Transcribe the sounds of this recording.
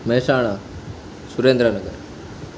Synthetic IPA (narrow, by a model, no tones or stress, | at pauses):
meːsaːɳ̃a | suɾeːnd̪ɾənɐɡəɾ